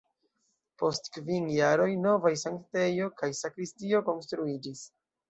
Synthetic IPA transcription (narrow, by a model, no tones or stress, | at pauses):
po̞stkvinjaɾo̞jno̞vajsaŋkte̞jo̞kajsakɾistio̞ko̞nstɾuid͡ʒis